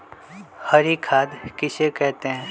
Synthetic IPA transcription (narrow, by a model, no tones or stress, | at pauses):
hɐɾikʰaːd̪kɪsekɛɦt̪eɦɛ̃ː